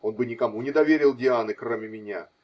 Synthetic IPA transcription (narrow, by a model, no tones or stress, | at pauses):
o̞nbɨnʲɪkɐmunʲɪd̪ɐvʲeɾʲɪlˠdʲɪanɨkromʲɪmʲɪnʲa̰